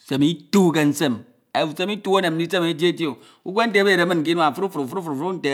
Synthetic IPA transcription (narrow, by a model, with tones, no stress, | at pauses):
se˨mi˦tu˦ke˨n̩˦se˦m | e˨u˨se˦mi˦tu˦a˦ne˨m̩˦i˦se˦me˨˦d͡ʒe˦to˨ | u˦kʷe˦n̩˦te˦be˦˨ɾe˨˦mɨ˦nk̬i˦nu˦a˨fu˦ɾu˦fu˨ɾfu˦ɾu˦fu˨ɾfu˦n̩˦te˨